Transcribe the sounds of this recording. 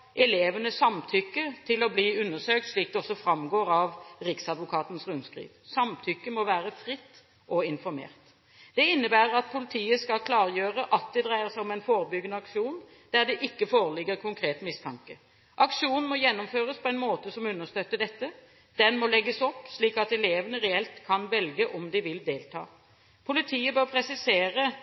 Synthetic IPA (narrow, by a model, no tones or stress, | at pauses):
ʔɛleːʋənəsɑmt̪ʰʏkːət̪ʰɪlɔbliːʉnːəsøːk̚t̪sʂliːk̚d̪ɛɔsːɔfɾɑmɡoːɾɑʋɾɪksɑd̪ʋʊkʰɑːt̪n̩sɾʉnskɾḭːʋsɑmt̪ʰʏkːəmɔʋæːɾəfɾɪt̪ː | ʔɔɪnfɔɾmḛːʁt̪ | d̪̥ɛɪnːəbæːʁəɾɑt̪̚pʰʊlɪt̪ʰiːəskɑlkʰlɑːʁjøːʁəʔɑt̪̚d̪ɛd̪ʁæɪəsæɪɔmɛɪnfoːɾəbʏɡənəɑkʂuːn | d̪̥æʁd̪ɛʔɪkːəfoːʁəlɪɡːəɾkʰʊŋkʰɾeːt̪mɪst̪ʰɑŋkə | ʔɑkʂuːnn̩mɔjɛnːɔmføːʁəspʰɔɛɪnmoːt̪əsɔmʉnːəst̪œt̪ːəɖ̪ɛt̪ːə | d̪̥ɛnmɔlɛɡːəsɔpːʂliːkɑt̪ɛleːʋənəɾɛɛlt̪kʰɑnʋɛlɡəʔɔmd̪ɪʋɪld̪eːlt̪ʰɑ̰ː | pʰʊlɪt̪ʰiːəbøːʁpʰɾɛsɪseːʁə